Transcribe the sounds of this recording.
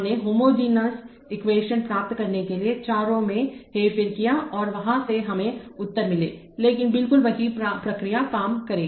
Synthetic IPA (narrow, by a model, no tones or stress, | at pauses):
neɦoːmoːd͡ʒiːnaːs | ɪkʋeːʃənpɾaːp̚t̪kɐɾnekeliet͡ʃaːɾõmẽɦeːfɪɾkijaɔːɾʋɐɦãseɦɐmẽʊt̪ːəɾmɪleː | leːkɪnbɪlkʊlʋɐɦipɾɐkɾijakaːmkɐɾẽː